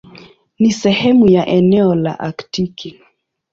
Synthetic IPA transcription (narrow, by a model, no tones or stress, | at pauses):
nisɛhɛmujaʔɛnɛɔla̰ʔaktiki